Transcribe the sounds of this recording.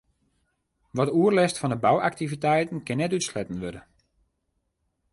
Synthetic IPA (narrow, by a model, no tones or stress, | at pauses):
ʋɔtəuərlɛstfɔndəbawʔak̚tivitɛjtən̩kɪnːɛtytslɛtən̩ʋødə